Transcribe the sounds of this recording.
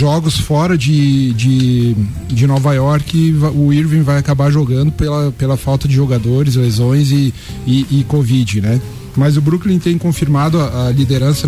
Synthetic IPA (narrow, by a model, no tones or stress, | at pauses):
ʒɔɡʊsfɔɾɐd͡ʒɪd͡ʒɪ | d͡ʒɪnɔvajɔɾkɪvaʊiɾvẽvajakabaɾʒoɡɐ̃nd̪ʊpelɐpelɐfawt̪ɐd͡ʒɪʒoɡad̪oɾɪzlezõj̃zɪ | ɪːkovid͡ʒɪnɛ | mɐzʊbɾuklĩt̪ẽj̃kõfiɾmad̪ʊɐʔɐlid̪eɾɐ̃sɐ